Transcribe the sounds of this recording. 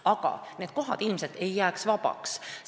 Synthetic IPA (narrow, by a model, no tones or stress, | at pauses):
ɑɡ̥ɑ̰ne̞ːd̪̚ko̞ɦɑ̰d̪̥ilmset̪ːe̞jːæːksvɑpɑ̰ks